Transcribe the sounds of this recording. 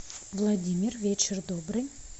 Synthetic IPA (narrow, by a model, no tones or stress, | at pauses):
vlˠad̪ʲimʲirvʲet͡ʃɪrd̪obrɨj